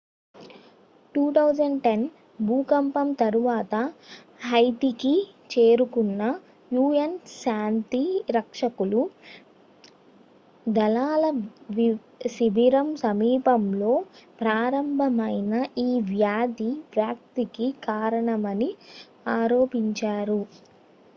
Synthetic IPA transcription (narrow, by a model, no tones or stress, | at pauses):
ʈuːʈ̪ɐwd͡ʒɐɳɖʈen | bʱuːkɐmpɐmt̪ɐɾuʋaːt̪ɐ | ɦɐjt̪ikit͡ʃe̞ːɾukunːɐ | juːɐnʃaːnt̪iɾɐkʂɐkulu | d̪ɐlaːlɐʋi | sibʱiɾɐmsɐmiːpɐmlo̞ːpɾaːɾɐmbʱɐmɐjnɐʔiːʋjaːd̪ipɾjaːk̚t̪ikikaːɾɐɳɐmɐni | aːɾo̞ːpiɲt͡ʃaːɾu